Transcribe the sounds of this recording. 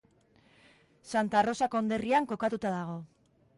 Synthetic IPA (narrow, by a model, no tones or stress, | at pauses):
sant̪aro̞sakoːnd̪e̞riaŋko̞kat̪ut̪að̞aɣ̞o̞